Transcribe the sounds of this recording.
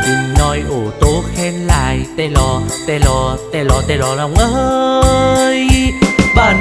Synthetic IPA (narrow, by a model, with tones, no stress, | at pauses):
i˨˧˩ŋnɔ˧jʔo˧˩t̪o˨˦xɛ˧nla̰ː˧˨jt̪ɛ˧lɔ˧˩t̪ɛ˧˩lɔ˧˩t̪ɛ˧˩lɔ˨˧t̪ɛ˧lɔ˧la˧wŋ͡mʔəː˧ | jɓaː˧˩n